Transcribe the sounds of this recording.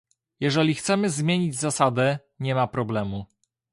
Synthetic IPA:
jɛʐɛlʲixt̪sɛmɘzmʲjeɲid͡ʑzasad̪ɛ | ɲɛmapɾɔblɛmu

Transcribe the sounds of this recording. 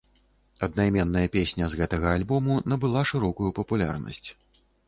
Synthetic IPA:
ɐd̪najmʲɛnːɐjɐpʲesʲnʲɐzɣɛt̪ɐɣɐːlʲbɔmunɐbɨlˠaʂɨɾɔkujupɐpulʲa̰rnɐ̰sʲt͡sʲ

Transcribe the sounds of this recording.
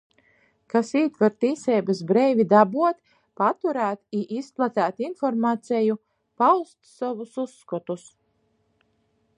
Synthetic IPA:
kasiːt̪vaɾt̪iːsɛːbasbɾɛjvʲid̪abuɔt̪ | pat̪uɾæːt̪iʔisplˠat̪ʲæːt̪infɔɾmaːt̪sɛju | pawst̪savususːkɔt̪us

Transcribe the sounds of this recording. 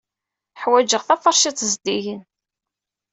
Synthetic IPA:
ħwæd͡ʒəʁθæfɑɾˤʃit̪ˤzd̪iʝən

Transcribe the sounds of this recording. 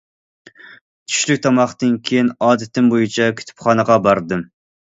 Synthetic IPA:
t͡ʃ̪ʰy̥ʃlykʲt̪ʰɑmɑχt̪ɨnkʲʰejinɑːd̪ɪt̪ɪmbojut͡ʃʰɑkʲʰy̥t̪ʰy̥pχɑnəʁɑbɑɾd̪ɨm

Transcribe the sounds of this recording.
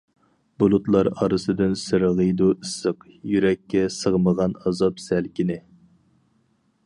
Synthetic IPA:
bulˠut̪lˠɑɾɑɾɨsɨd̪ɨnsɨɾʁəjd̪uʔɨsːəqjyɾɛkʲːɛsəʁməʁɑnɑzɑpsælkʲʰinɪ

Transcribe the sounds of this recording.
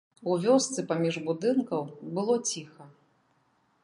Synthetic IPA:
uvʲɔst̪sɨpamʲiʐbud̪ɨnkɐwbɨlˠɔt͡sʲixɐ

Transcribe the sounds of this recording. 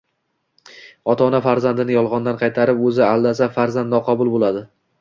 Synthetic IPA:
ɒt̪ʰɒnafaɾzand̪ɪnɪjɒlˠʁɒnd̪anqʰɑjt̪ʰaɾɪpɵzɪalˠd̪as̬afaɾzand̪nɒqʰɒbʊlˠbolad̪ɪ

